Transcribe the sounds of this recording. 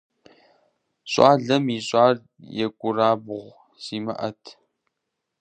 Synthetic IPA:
ɕʼaːɮɐmiːɕʼaːr | jɛkʷʼʊraːbʁʷ | z̥iːmɐ̰ʔɐtʰ

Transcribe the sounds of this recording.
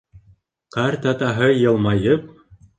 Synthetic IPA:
qɑɾt̪ɑt̪ɑɦɤjɤ̆lˠmɑjɤp̚

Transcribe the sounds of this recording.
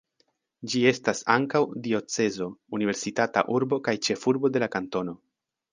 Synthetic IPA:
d͡ʒie̞stasaŋkawdio̞t͡se̞zo̞unive̞ɾsitata̰ʔuɾbo̞kajt͡ʃe̞fuɾbo̞de̞lakanto̞no̞

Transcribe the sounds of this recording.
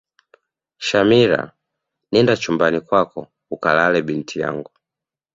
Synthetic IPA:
ʃamiɾa̰ | nindat͡ʃumbanikwakɔ | ukalalɛɓintʰija̰ŋɡu

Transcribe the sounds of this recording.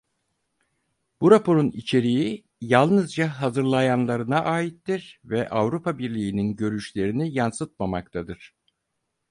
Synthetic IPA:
b̥uɾapʰo̞ɾunit͡ʃʰe̞ɾiji | jalˠnɯzd͡ʒaɦazɯɾlˠajanlˠaɾɯnaʔaːit̪ːiɾvɛʔavɾupʰabiɾlʲijːninɟø̞ɾyʃlʲe̞ɾinijansɯt̪̚mamakt̪ʰad̪ɯɾ̥

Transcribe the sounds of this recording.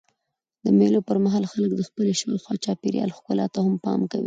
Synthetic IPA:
d̪̥əmelopəɾmaɦɑlxalək̚d̪əxpəleʃəwexwɑt͡ʃɑpeɾjɑ̰lxkʊlɑt̪ahampɑ̰mkawi

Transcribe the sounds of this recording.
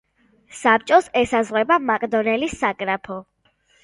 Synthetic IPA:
sap̚t͡ʃʼɔsɛsazʁwɛbamakʼd̪ɔnɛlisakʼɾapʰɔ

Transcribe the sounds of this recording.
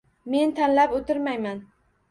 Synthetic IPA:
me̞nt̪ʰanlapot̪ʰɪɾmajman

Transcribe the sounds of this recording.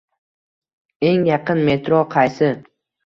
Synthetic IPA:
e̞ŋjɑqʰɨnme̞t̪ɾoqʰɑjsɪ

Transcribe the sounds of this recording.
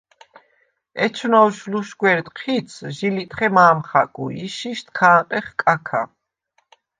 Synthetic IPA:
ɛt͡ʃʰnɔwʃluʃɡwɛɾt̪ʼqʰit̪sʰʒilit̪ʼχɛmaːmχa̰kʼṵiʃiʃt̪ʰkʰaːt̪ʼɛχkʼakʰa

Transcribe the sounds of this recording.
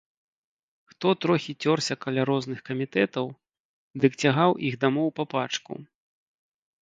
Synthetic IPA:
xt̪ɔt̪ɾɔxʲit͡sʲɔrsʲɐkalʲaɾɔznɨxkɐmʲit̪ɛt̪ɐw | d̪ɨkt͡sʲaɣawʔiɣd̪amɔwpɐpat͡ʂkṵ

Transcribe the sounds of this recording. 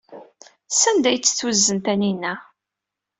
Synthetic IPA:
sænd̪æjt͡sːə̥θwəzːənt̪æninːæ

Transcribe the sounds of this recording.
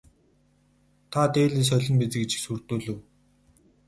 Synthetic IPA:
t̪ʰat̪eːɮiːs̬œɮʲɞ̆mpet͡sɘ̆ket͡ɕĭ̥ksur̥t̪oːɮɘ̆w

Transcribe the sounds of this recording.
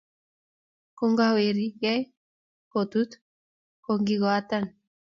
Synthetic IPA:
koŋɡaweɾiɣaj | kot̪ut̪ | koŋɡiɣoat̪an

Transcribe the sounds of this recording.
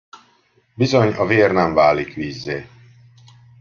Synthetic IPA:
bizoɲɒveːrnɛɱvaːlikʋiːzːeː

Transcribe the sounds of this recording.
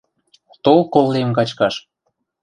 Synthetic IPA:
t̪olkolːemkɑt͡ɕkɑʃ

